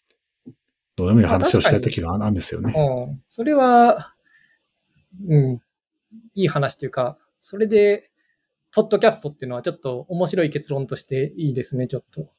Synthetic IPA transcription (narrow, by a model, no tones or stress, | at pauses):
d̪̥oːnemoɲhaanaɕio̞ɕt̪ait̪o̞kʲiɡaãnd̪esɨjo̞̰neɯ̃ːso̞ɾe̞βa | ɯ̟̃ɴ | iːhanaɕi̥t̪ojɯ̟ka | soɾe̞d̪e̞ | po̞d̪ːo̞kʲasɨ̥t̪o̞t̪ːeɯ̟noat͡ɕo̞t̪ːo̞ːmo̞ɕiɾo̞ike̞t͡sɨɾõnt̪o̞ɕi̥t̪e̞iːd̪e̞sɨne̞t͡ɕo̞t̪ːo̞